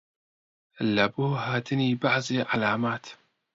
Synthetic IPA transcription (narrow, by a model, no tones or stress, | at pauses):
əlːabuːhaːt̪ɪniːbaʕzˤiʕalaːmaːt̪